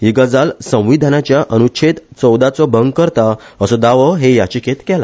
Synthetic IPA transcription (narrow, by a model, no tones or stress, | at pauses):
iɡəd͡zalsə̃w̃ʋid̪ʱənat͡ɕjaʔənut͡ɕʰet̪t͡sɔwd̪at͡sɔbəŋɡkəɾt̪aəsɔd̪aʋəɦejat͡ɕikʰet̪kɛla